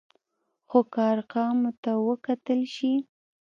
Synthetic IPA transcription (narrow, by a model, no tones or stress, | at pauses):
xokaɑɾqɑmot̪awəkat̪əlʃi